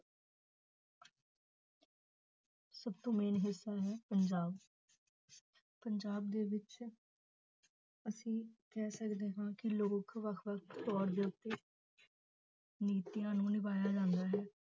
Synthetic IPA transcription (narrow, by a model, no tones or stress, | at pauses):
səbt̪õːmeːnɦɪsːaːɦɛːpəɲd͡ʒaːb | pəɲd͡ʒaːb̚d̪eːʋɪt͡ʃ | əsĩːkɛːsəkd̪eːɦãːkɪloːkʋəkʰʋək̚ʰt̪ːɔːɾd̪eːʊt̪ːeː | niːt̪ijãːnũːnɪbaːjaːd͡ʒãːnd̪aːɦɛː